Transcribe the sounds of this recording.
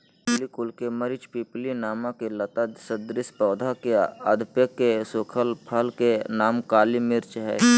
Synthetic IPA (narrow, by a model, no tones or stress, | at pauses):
pplikʊlkeməɾɪt͡ʃpiplinaːmãkelət̪ad̪səd̪ɾɪspɔːd̪ʱakeəd̪ʱpjəkːesoːkʰəlpʰəlkenaːmkaːlimɪɾt͡ʃɦɛ̰ː